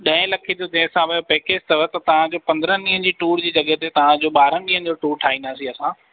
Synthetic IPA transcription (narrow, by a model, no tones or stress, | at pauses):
ɗɐ̃ɦɪ̃lɐkʰed͡ʑod̪ẽːsãʋɐjopekest̪ɐʋət̪ɐt̪ɐʋ̤ãd͡ʑoːpɐ̃nd̪ɾənɗĩːɦə̃n̆d͡ʑiːʈuːɾd͡ʑiːd͡ʑɐɠɛɦt̪et̪ɐʋ̤ãd͡ʑoːɓaːɾənɗĩːɦə̃nɪ̆d͡ʑoːʈuːɾʈʰaːɦĩːnd̪aːsĩɐsãː